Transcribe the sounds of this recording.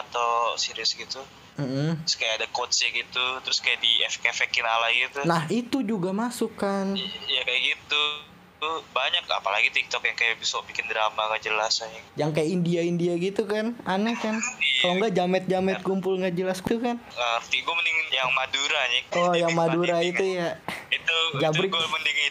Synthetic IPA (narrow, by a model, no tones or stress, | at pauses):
at̪awsiɾiʊsɡit̪u | m̩m̩skajaadakot̪sjaɡit̪ut̪ɾʊskajadiɛfɛkefɛkɪnalaɡit̪unahit̪ud͡ʒuɡamasukːanjakajaɡit̪u | baɲaka̰pala̰ɡit̪ik̚t̪ɔkjaŋkajabisɔbikɪnd̪ɾamaŋɡaʔd͡ʒəlasaɲijaŋkajaindiaindiaɡit̪ukananɛkanŋɡad͡ʒamɛt̪̚d͡ʒamɛt̪̚kumpʊlŋɡaʔd͡ʒəlaskit̪ukanəərt̪iɡuaməniŋjaŋmaduɾaɲiɔjaŋmaduɾait̪ujait̪ud͡ʒabɾikməndiŋ